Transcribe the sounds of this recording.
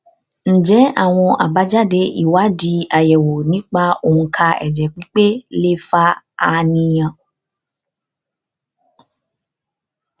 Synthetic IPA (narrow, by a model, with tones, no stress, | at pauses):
ñ̩˨d͡ʒɛ˨˦a̰˦˨w̃ɔ̃˧ʔa˨ba˨˧˦d͡ʒa˦de˧ʔi˨wa˨˦di˧˦a˨jɛ˨wo˨nĩ˨˦k͡pa˦o˨ŋũ˧kʰa˧ɛ̰˨d͡ʒɛ˨k͡pĩ˦k͡pe˦le˦fa˦ | a˧nĩ˧jã˧˨